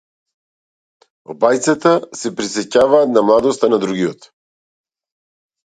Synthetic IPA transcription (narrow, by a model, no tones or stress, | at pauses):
o̰bajt̪sat̪asɛpɾisɛcavaːt̪namlˠad̪ɔst̪anad̪ɾuɡiɔt̪